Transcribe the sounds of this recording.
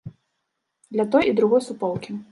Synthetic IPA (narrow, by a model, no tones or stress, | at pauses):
d̪lʲɐt̪ɔjid̪ɾuɣɔjsupɔlˠkʲi